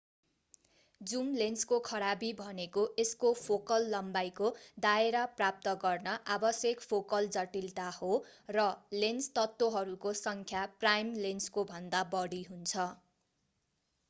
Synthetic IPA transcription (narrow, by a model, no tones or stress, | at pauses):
d͡zumlenskokʰʌɾabibʱʌnekoʔeskopʰokʌlːʌmbajkod̪aeɾaprap̚t̪ʌɡʌrnʌʔabʌsjekpʰokʌld͡zʌʈilt̪ahorʌlenst̪ʌt̪ːwoɦʌɾukosʌŋkʰjaprajmlenskobʱʌnd̪abʌɽiɦunt͡sʰʌ